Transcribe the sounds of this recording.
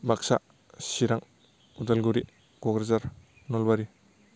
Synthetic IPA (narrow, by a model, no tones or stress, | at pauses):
baksa | siɾaŋ | udalɡuɾi | ɡ̥ɔɡɾezaɾ | nɔlbaɾi